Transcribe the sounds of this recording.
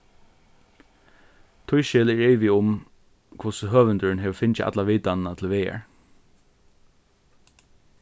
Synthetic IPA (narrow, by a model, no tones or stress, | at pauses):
t̪ʰʊjʃɪlɛɹeːʋɪʊm | kʰʊsəɦøːʋənt̪ʏnɦɛʋfɪnt͡ʃɪʔa̰t̪laʋiːt̪annat̪ʰɪlʋeːɛ̰ɹ